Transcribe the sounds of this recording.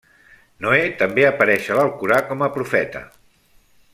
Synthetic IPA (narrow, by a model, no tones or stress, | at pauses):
noet̪əmbeəpəɾɛʃələlˠkuɾakɔməpɾufɛt̪ə̰